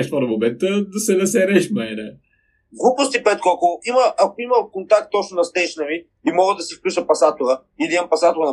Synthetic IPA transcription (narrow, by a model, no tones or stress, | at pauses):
ɛʃt̪fɔɾɐmomɛnt̪əd̪ɐsɛnɐs̬ɛɾɛʃmɛɛnɛ | ɡlˠupost̪ipɛt̪̚kɔkoiməʔɐkoimɐlˠkont̪ak̚t̪ːɔt͡ʃnʊnɐst̪ɛjʃənəvi | imɔɡəd̪ɐsifklʲuʃəpɐsat̪ʊɾə | id̪iɛmpɐsat̪ʊɾənɐ